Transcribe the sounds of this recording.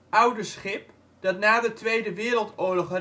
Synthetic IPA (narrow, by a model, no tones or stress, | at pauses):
ʌwdəsχɪp | d̥ɑtnaːdətʋejdəʋɪːɾəlˠtʊːlɔχr